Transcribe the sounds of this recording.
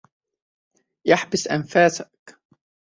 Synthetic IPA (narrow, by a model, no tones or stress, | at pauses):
jaħbɪsʔanfaːsḁk